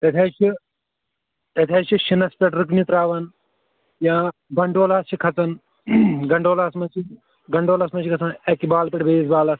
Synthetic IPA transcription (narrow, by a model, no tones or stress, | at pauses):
t̪ɐt̪ʲʰeːt͡ʃʰi | t̪ɐt̪ʰeːt͡ʃʰiʃinɐspʲɛʈɾɨk̬nit̪ɾaːʋɐn | jãːɡɐɳɖoːlaːst͡ʃʰikʰɐt͡sɐn | ɡɐɳɖoːlaːsmɐt͡ʃʰi | ɡɐɳɖoːlɐsmɐt͡ʃʰikʰɐt͡sɐnɛkibaːlpʲɛʈbeːsbaːlɐs